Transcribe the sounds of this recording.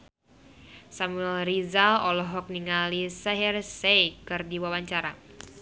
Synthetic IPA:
samuɛlrizalɔlɔɦɔk̚niŋalisɛɦɛrsejkɨrdiwawaɲt͡ʃaɾa

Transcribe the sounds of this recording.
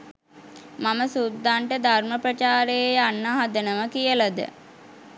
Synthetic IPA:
maməsud̪ːaɳʈəd̪ʱarməpɾət͡ʃaːɾejanːəɦad̪ənəməkijəlad̪ə̰

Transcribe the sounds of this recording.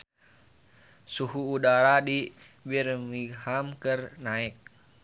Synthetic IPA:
suɦuːdaɾadibirmihamkərnaɛk̚

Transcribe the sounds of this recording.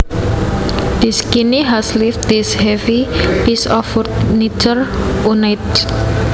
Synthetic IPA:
d̪̥iskiniɦaslifd̪ishɛvipisɔfurt̪nit͡ʃərunajt̪

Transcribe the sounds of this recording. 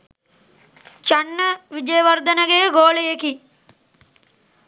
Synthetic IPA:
t͡ʃaɳːəʋid͡ʒejəʋɐrd̪ənəɡejɡoːlejeki

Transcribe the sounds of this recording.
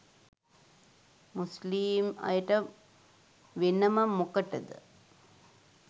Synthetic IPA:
musliːmɐ̰jəʈə | ʋenəmɐmokəʈɐd̪ə̰

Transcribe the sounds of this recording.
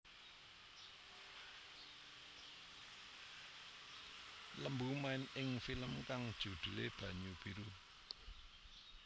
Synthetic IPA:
ləmbumaɪnɪŋfiləmkaŋd̥ʒ̥ṳd̪̥ṳlḛb̥ä̤ɲub̥iɾu

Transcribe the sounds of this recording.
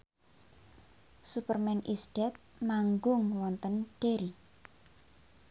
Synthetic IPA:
supərmɛnʔisɖ̥ɛt̪̚maŋɡʊŋwɔnt̪ənɖ̥eɾi

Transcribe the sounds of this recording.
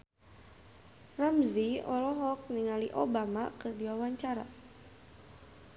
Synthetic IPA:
ramziɔlɔɦɔk̚niŋaliʔobamakədiwawaɲt͡ʃaɾa̰

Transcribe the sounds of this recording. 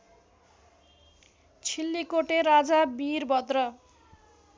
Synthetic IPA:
t͡sʰilːikoʈeɾad͡zabirbʱʌt̪rʌ

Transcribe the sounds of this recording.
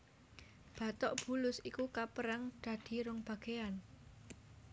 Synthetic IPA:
b̥ä̤t̪ɔʔb̥ṳlʊsikukapəɾaŋd̪̥ä̤d̪̥i̤ɾʊŋb̥ä̤ɡ̥ean

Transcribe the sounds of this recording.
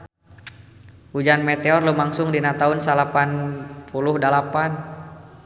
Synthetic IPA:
hud͡ʒanmet̪eɔrlumaŋsʊŋdinat̪aunsalapanpʰulʊhdalapan

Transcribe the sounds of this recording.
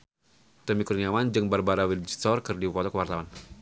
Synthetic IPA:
t̪əmikurniawand͡ʒɨŋbarbaɾawild͡ʒit̪ɔrkɨrdipɔt̪ɔkəwart̪awan

